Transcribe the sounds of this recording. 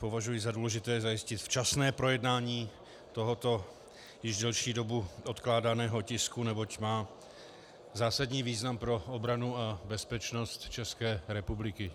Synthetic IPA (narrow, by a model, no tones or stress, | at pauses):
po̞vaʒujɪzaduːlɛʒɪt̪ɛːzajɪscɪt̪ft͡ʃasnɛːpɾo̞jɛdnaːɲiː | t̪o̞ɦot̪o̞ | jɪʒdɛlʃiːdo̞buʔot̪klaːdanɛːɦo̞cɪskunɛbocmaː | zaːsadɲiːviːznampɾo̞obɾanuabɛspɛt͡ʃnost̪t͡ʃɛskɛːɾɛpublɪkɪ